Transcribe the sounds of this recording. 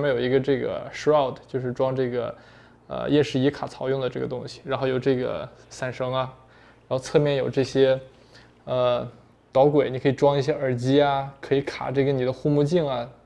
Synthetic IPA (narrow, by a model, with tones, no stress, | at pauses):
mə˧˥jo˨˩ʊi˧˥ɡə˧ʈ͡ʂɤ˥˩ɡə̰˩ʂa˥˩ʊt̪ʰt͡ɕjo˥˧ʊʂɻ̩˥˩˧ʈ͡ʂwɑ˥ŋʈ͡ʂɤ˥˩ɡə̰˩ | ə̰˧jɛ˥˧nʂɻ̩˥˩i˧˥kʰa̰˨˩t͡sʰɑ˧˥ʊjʊ˥˩ŋd̪ə˩ʈ͡ʂɤ˥˩ɡə̰˩t̪ʊ˥ŋɕi̥˨ɻa˧˥nxo˥˩ʊjo˨˩ʊʈ͡ʂɤ˥˩ɡə̰˩sa˥˩nʂɤ˧˥ŋɐ˧ | ɻa˧˥nxo˥˧ʊt͡sʰɤ˥˧mjɛ˥˩njo˨˩ʊʈ͡ʂɤ˥˩ɕjɛ˥ | ə˧ | t̪ɑ˧˥ʊkwe˨˩ɪni˨˧˩kʰɤ˧˥i˨˩ʈ͡ʂwɑ˥ŋi˧˥˩ɕ̬jɛ˥ʔə˞˨˩t͡ɕi˥ɐ˧kʰɤ˧˥i˧˥kʰa̰˨˩ʈ͡ʂɤ˥˩ɡə˩ni˨˩d̪ə˦xu˥˧mu˥˧t͡ɕi˥˩ŋɐ˩